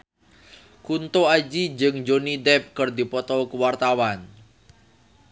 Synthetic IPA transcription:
kunt̪oad͡ʒid͡ʒɨŋd͡ʒonidɛp̚kərd̪i̤pɔt̪ɔkəwart̪awan

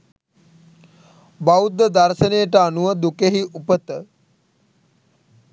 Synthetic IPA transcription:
bawd̪ːəd̪aɾʃənejəʈəanuʋəd̪ukeɦiʔupət̪ə

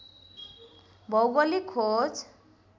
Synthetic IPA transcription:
bʱɔwɡɔlikʰot͡s

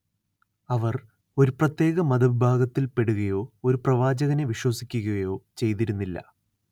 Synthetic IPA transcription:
ɐʋɐr | o̞ɾuprɐt̪je̞ːɣɐmɐd̪ɐʋibʱaːɡɐt̪ːilpe̞ɽuɣɐjo̞ːoɾuprɐʋaːd͡ʑɐɣɐne̞ʋiɕwɐsikʲːuɣɐɐjo̞ːt͡ɕe̞jt̪̬iɾunːilːɐ̰

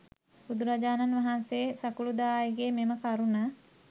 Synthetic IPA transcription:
bud̪uɾad͡ʒaːnanʋɐɦanseːsɐkulud̪aːjeɡeːmeməkaɾunə

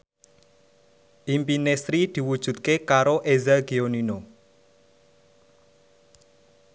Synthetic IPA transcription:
ʔimpinesɾid̪̥i̤wud̥ʒ̥ṳt̪̚kekaɾoʔezɛlɡionino

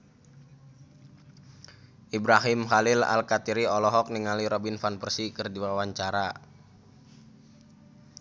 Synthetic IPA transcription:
ʔibɾaɦimɦalɪla̰lkat̪iɾiɔlɔɦɔk̚niŋaliɾɔbinfanpərsikɨrdiwawaɲt͡ʃaɾa

